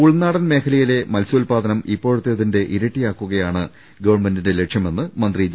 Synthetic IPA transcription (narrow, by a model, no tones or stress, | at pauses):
uɭnaːɽɐnme̞ːkʰɐlɐjile̞mɐlsuːlpaːd̪ɐnɐmipːo̞ːɻut̪ːeɐðinde̞ʔiɾɐʈːijaːkːuɣɐjaːɳɨ | ɡɐʋɐrɳme̞ndinde̞le̞kʂjɐme̞nːɨmɐnd̪rid͡ʑ